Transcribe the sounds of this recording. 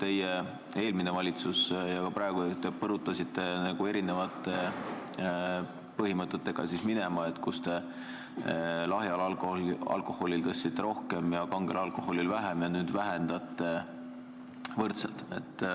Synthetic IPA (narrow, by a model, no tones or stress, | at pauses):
t̪e̞je | e̞ːlminevɑlʲit̪susjɑkɑpɾɑeɡut̪epɤɾut̪ːˑɑsit̪ːˑe̞næɡ̥ue̞ɾine̞vɑt̪ːˑe̞ | pɤɦimɤt̪ːˑe̞t̪ːe̞ɡ̥ɑ̰sismine̞mɑe̞t̪ːkust̪e̞ | lɑɦjɑlɑlkoɑ̰lko̞ho̞lʲilt̪ɤsːit̪ːeɾo̞hke̞mjɑkɑŋɡe̞lɑlko̞ho̞lilvæɦemjɑnyːd̪̥væɦend̪̥ɑt̪ːˑe̞ | vɤrt̪set̪e̞̰t̪ˑː